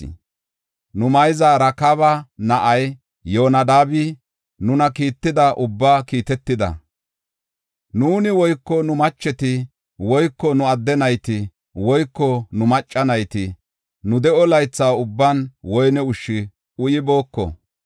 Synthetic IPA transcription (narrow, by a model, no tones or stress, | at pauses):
nʊmɐjzaɾɐkɐβɐnɐʔɐj | jo̞ːnɐd̪aːbɪ | nʊnɐkiːt̪ːɪd̪ɐʔʊbːaːkiːt̪ɛt̪ːɪd̪ɐ̰ | nuːnɪwɔjkːɔnʊmɐt͡ʃːɛt̪ɪ | wɔjkːɔnʊɐd̪ːɛnɐjt̪ɪ | wɔjkːɔnʊmɐt͡ʃʼːɐnɐjt̪ɪ | nʊd̪ɛʔɔlɐjt͡sːaːʊbːɐnwɔjnɛʊʃːɪ | ʔʊjɪbo̞ːkːɔ̰